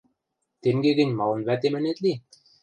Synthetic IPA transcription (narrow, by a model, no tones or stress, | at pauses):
t̪emɡeɡɘ̆nʲmɑlˠɤ̆nβæt̪emɘ̆net̪li